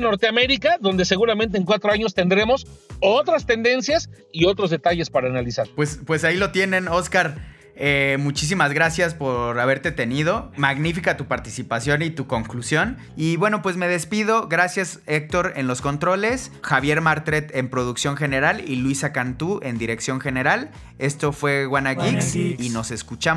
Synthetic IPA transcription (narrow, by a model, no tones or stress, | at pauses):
no̞ɾt̪eame̞ɾikaðo̞nd̪e̞se̞ɣuɾamẽnt̪eŋkwat̪ɾoaɲos̬t̪e̞nd̪ɾemo̞sot̪ɾast̪e̞nd̪e̞nsjas | io̞t̪ɾozðe̞t̪aʝe̞spaɾaːnalisaɾpwe̞spwe̞sailo̞t̪je̞nẽ̞no̞skaɾ | emut͡ʃis̬imazɣɾasjaspo̞ɾaβ̞e̞ɾt̪e̞t̪e̞nið̞o̞maɣnifikat̪upaɾt̪isipasjo̞nit̪uko̞ŋklusjo̞n | iβwe̞no̞pwe̞zme̞ðe̞spið̞o̞ɣɾasjasek̚t̪o̞ɾe̞nlo̞sko̞nt̪ɾo̞le̞sxaβje̞ɾmaɾt̪ɾe̞t̪e̞mpɾo̞ðuksjo̞ŋxe̞ne̞ɾalilwisakant̪uʔe̞nd̪iɾe̞ksjo̞ŋxe̞ne̞ɾal | e̞st̪o̞fwe̞ɣwanaɣiksino̞se̞skut͡ʃa